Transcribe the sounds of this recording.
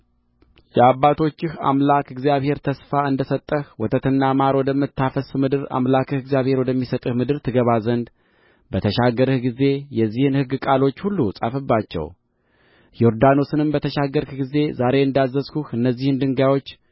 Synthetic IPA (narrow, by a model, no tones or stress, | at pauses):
jɛabːat̪ʰo̞t͡ʃːɪha̰mlakɨɡzjaβhe̞ɾt̪ʰəsfaɨnd̪əsət̪ʼːəhwɔt̪ʰət̪ɨnːamaɾwɔd̪əmɨt̪ʰːafəsmɨd̪ɨɾa̰mlakʰɨhɨɡzjaβhe̞ɾwɔd̪əmːisət̪ʼɨhmɨd̪ɨɾt̪ʰɨɡəβazənd̪ | bət̪ʰəʃaɡəɾɨhɡize̞jɛzːihɨnhɨɡːɨkʼalo̞t͡ʃːhulːusʼa̰fɨbːat͡ʃːɛ̰w | jɛo̞ɾd̪ano̞sɨnɨmbət̪ʰəʃaɡəɾɨhɡize̞zaɾe̞ɨnd̪azːəzkuhɨnːəzːihɨnd̪ɨŋɡawo̞t͡ʃː